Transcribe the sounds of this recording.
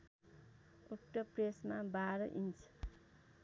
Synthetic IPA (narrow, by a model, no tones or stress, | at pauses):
okʈʌpresmabaɾʌʔint͡sʰ